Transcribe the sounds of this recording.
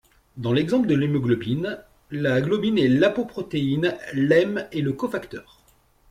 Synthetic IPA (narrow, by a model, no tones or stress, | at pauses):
d̪ɑ̃lɛɡzɑ̃pləd̪əlimɔɡlɔbin | laɡlɔbinɛlapopχɔt̪einlɛmeləkɔfakt̪œːʁ